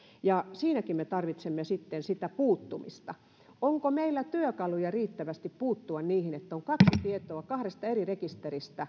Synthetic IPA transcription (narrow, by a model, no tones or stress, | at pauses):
jɑsiːnækimmet̪ɑrʋit̪semːesit̪ːensit̪æpuːt̪ːumḭst̪ɑ | oŋkomeilːæt̪yøkɑlujɑriːt̪ːæʋæst̪ippuːt̪ːuɑnniːhinet̪ːæoŋkɑksit̪iet̪oɑkɑhɾest̪ɑerirekist̪erist̪æ